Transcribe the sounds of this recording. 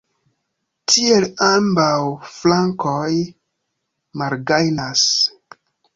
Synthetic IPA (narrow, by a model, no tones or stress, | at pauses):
tʰielambawflaŋkoj | malɡajnas